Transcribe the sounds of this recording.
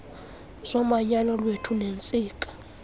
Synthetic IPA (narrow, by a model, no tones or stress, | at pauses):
zɔmaɲanɔlwetʰunent͡sʼiːkʼḁ